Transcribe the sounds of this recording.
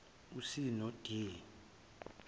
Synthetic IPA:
usinɔd̥ʱe

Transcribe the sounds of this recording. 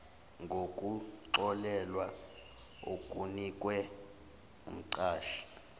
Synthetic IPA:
ŋɡʱokʼuǀɔlɛlwa | o̰kʼunikʼwɛ | ṵm̩ǀaːʃi̥

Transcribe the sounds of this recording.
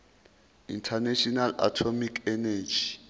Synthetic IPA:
ḭntʰanaʃʰɔnala̰tʰomikʰɛnad͡ʒi

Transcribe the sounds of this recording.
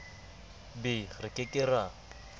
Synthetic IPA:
bɪrɪkʼɪkʼɪra

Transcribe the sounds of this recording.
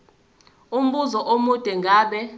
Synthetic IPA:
um̩ɓuzɔʔomud̥ʱɛŋɡʱaːɓɛ

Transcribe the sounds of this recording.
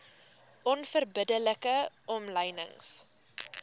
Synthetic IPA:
ʔɔnfərbədələkəʔɔmləjnə̰ŋs

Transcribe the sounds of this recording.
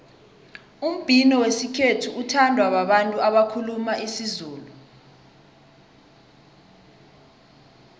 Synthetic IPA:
um̩b̥ʱinɔwesikʰetʰuutʰandʱwaɓaɓantʼuaɓakʰulumaʔisizuːlu

